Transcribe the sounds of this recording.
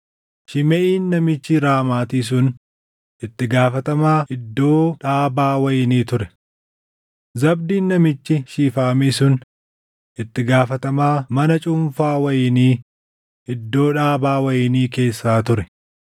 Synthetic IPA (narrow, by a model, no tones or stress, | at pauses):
ʃɪmɛʔiːnːɐmɪt͡ʃːɪɾaːmaːt̪iːs̬ʊn | ʔɪt̪ːɪɡaːfɐt̪ɐmaːɪd̪ːo̞ːᶑaːbaːwɐjɪniːt̪ʊɾɛ | zɐb̚d̪iːnːɐmɪt͡ʃːɪʃiːfaːmisʊn | ʔɪt̪ːɪɡaːfɐt̪ɐmaːmɐnɐt͡ʃʼʊmfaːwɐjɪniː | ɪd̪ːo̞ːᶑaːbaːwɐjɪniːke̞ːsːaːt̪ʊɾɛ